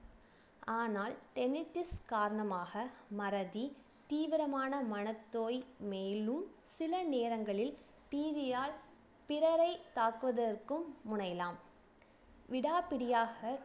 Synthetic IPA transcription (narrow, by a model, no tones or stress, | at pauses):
aːnaːlʈɛnɪʈːɪskaːɾɐɳɐmaːɣɐmɐɾɐði | t̪iːʋɪɾɐmaːnɐmɐnɐt̪ːoːjmeːlɯmsɪlɐneːɾɐŋɡɐɭɪl | piːðɪjaːɭ | pɪɾɐɾɐɪt̪aːkɯʋɐðɐrkɯmːʊɳɐɪjɐlaːm | ʋɪɽaːpɪɽɪjaːɣɐ